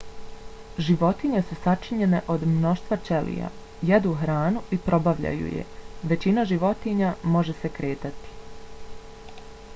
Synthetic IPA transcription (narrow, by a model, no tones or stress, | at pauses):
ʒiʋo̞t̪iɲe̞susat͡ʃiɲe̞ne̞ʔo̞d̪mno̞ʃt̪ʋat͡ʃe̞lḭja̰ | jed̪uxɾaːnuipɾo̞baʋʎa̰jṵjḛʋe̞t͡ɕinaʒiʋo̞t̪iɲamo̞ʒe̞se̞kɾe̞ːt̪at̪i̥